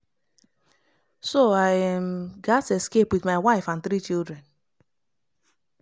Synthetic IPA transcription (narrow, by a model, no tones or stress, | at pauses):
soajɛm̩ɡateskepwɪðmaɪwaɪfãnθɾit͡ʃilˠdɾɛ̃n